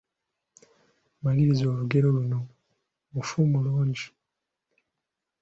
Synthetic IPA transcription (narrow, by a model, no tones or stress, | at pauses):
maɡiɾizo̞ːluɡe̞ɾo̞luno̞ | ufumuluːɲɟi